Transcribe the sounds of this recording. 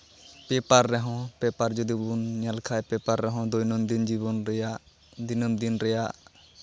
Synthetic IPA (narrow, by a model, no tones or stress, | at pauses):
pɛpaɾːɛɦɔ̃pɛpaɾd͡ʒɔd̪ibunɲalkʰajpɛpaɾːɛɦɔ̃d̪ɔjnɔmd̪ind͡ʒiβɔnɾɛjaʔ | d̪inəmd̪inɾɛjaʔ